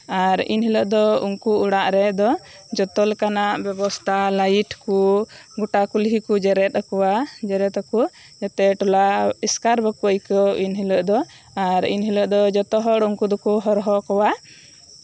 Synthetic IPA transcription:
aɾḭnɦiləʔd̪ɔṵŋkuuɽaʔɾɛd̪ɔ | d͡ʒɔt̪ɔlɛkanaʔbɛbɔst̪ʰalajiʈkuɡɔʈakulɦikud͡ʒɛɾɛt̪̚akɔwad͡ʒɛɾɛt̪aku | d͡ʒat̪ɛʈɔlaiskaɾbəkuəjkɔinɦiləʔd̪ɔ | aɾḭnɦiləʔd̪ɔd͡ʒɔt̪ɔɦɔɽuŋkud̪ɔkuɦɔɾɦɔkɔwa

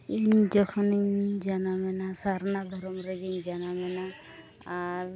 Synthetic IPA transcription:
iɲd͡ʒɔkʰɔniɲd͡ʒanamɛnasaɾnad̪ʱɔɾɔmɾeɡiɲd͡ʒanamɛna | aɾ

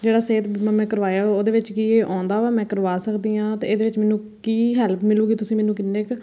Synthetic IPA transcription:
d͡ʒeːɽaːseːt̪ːmɛ̃ːkəɾʋaːjaːoːd̪eːʋɪt͡ʃkiːeːʔãːnd̪aːʋaːmɛ̃ːkəɾʋaːsəkd̪iːãːt̪eːeːd̪eːʋɪt͡ʃmɛːnũː | kiːɦɛlpʰmɪluːɡit̪ʊsĩːmɛːnũːkɪnːeːk

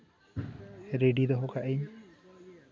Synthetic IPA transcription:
ɾeɖid̪ɔɦokaʔeɲ

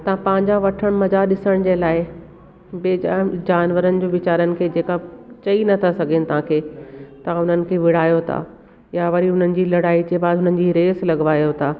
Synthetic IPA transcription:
t̪ɐʋãpɐ̃ːɦɪ̃ɲd͡ʑãʋɐʈʰəɽ̃mɐzaɗɪsəɽ̃d͡ʑelaːɪ | beːd͡ʑaːnʋəɾənɪ̆d͡ʑoːʋɪt͡ɕaːɾənɪ̆kʰeːd͡ʑeːkat͡ɕɐinɐt̪ʰasɐɡʱenɪt̪ɐʋ̤ãkʰeːt̪ɐʊn̤ənɪ̆kʰeːʋɪɽ̤aːjot̪ʰa̰ː | jaʋɐɾiɦʊn̤ənɪ̆d͡ʑiːlɐɽaːid͡ʑeːbaːd̪ɦʊn̤ənɪ̆d͡ʑiɾeːslɐɡʋaːjot̪ʰaː

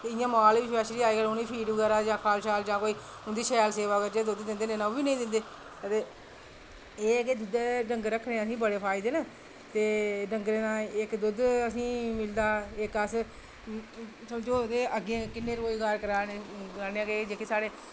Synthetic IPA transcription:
ɪjãːmaːlːɪʃʋɛʃɾiːaːiːɡəːloniːpʰiːɖbəɡɛːɾaːd͡ʒãːkʰaːlʃaːld͡ʒãːkoːiː | ʊnd̪iːʃɛlseːʋaːkəɾd͡ʒeːd̪ʊd̪d̪ɪ̃nd̪eːneːnãobiːnə̃ĩːd̪ɪ̃nd̪eː | ət̪eː | eːked̪ʊd̪eːɖəŋɡɾəkʰːneːəsĩːbəɽeːpʰaːɪd̪eːna | t̪eːɖəŋɡɾeːnãːɪkd̪ʊd̪əsĩːmɪld̪aːɪkəs | səmd͡ʒoːt̪eːəɡẽkɪnːeːɾoːiːɡəɾkəɾaːneːaɾneːãːked͡ʒekʰːeːsaːɽeː

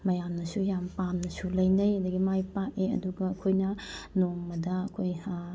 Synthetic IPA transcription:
mɐjamnɐsujampanːɐsulɐjnɐjɐdɐɡimajpaʔeɐ̰duɡɐːkʰojnɐnoŋmɐdɐɐkʰoj

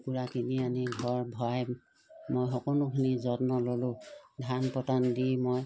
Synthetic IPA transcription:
puɹakʰinianiɡʱɔɹbʱɔaj | mojxɔkɔnʊkʰinizɔtnɔlɔlʊdʱanpɔtandimoj

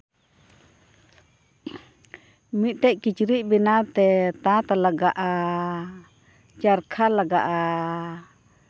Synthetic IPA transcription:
mit̪̚ˀʈ̪ɛʔkit͡ʃɾiʔbinat̪ɛt̪at̪alaɡaʔa | t͡ʃaɾkʰalaɡaʔa

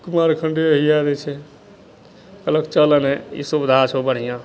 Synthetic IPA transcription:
kumaɾkʰəɳɖiɦijad̪ɛt͡ʃʰɛ | kələkt͡ʃələnɛḭsubd̪ʱat͡ʃʰobəɽ̤ijã

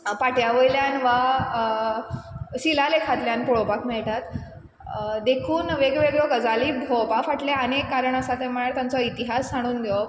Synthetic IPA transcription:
paʈjaʋəjljanʋa | ɕilalekʰat̪ljanpɔɭopakmɛɭʈ̪at̪ | d̪ekʰuːnʋeɡʋeɡɭɔɡəd͡zaliːbʱɔpafaʈleənekːaɾəɳəsat̪ẽm̤əɭjaɾt̪jãnt͡sɔit̪iɦasːaɽ̃uːnɡ̪eɔ

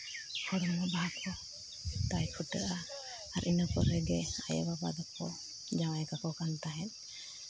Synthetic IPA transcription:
kʰɔɾɔmːɔbaɦakʰɔ | t̪ajkʰuʈəʔaː | ɾʔinakɔɾɛɡɛa̰jɔ̰baba̰d̪akʰɔ | d͡ʒawajɛkakɔkant̪aɦɛn̚

